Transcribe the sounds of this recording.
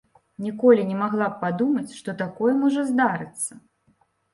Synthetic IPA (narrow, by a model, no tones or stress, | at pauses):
nʲikɔlʲinʲɛmaɣlˠap̚pad̪umɐt͡sʲʂt̪ɔt̪akɔjɛmɔʐɛzd̪aɾɨt̪sːɐ